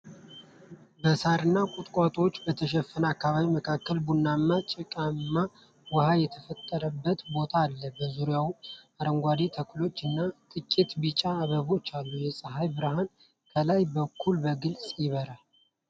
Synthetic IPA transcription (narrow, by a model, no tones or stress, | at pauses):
bəsaɾɨnːakʼut̪ʼkʼat̪ʼo̞t͡ʃːbət̪ʰəʃ̬ɛfːənakːaβaβiməkʰakːəlbunːamːat͡ʃʼɪkʼamːa | wəhajɛt̪ʰəfət̪ʼːəɾəbːət̪bo̞t̪ʰaːlːəbəzuɾjawaɾəŋɡʷad̪et̪ʰəkʰulo̞t͡ʃːɨnːat̪ʼɨkʼːit̪bit͡ʃʼaːβəβo̞t͡ʃːalːujɛsʼəɦajbɨɾəɦan | kʰəlajbəkʰːulbəɡɨlsʼjɪβəɾal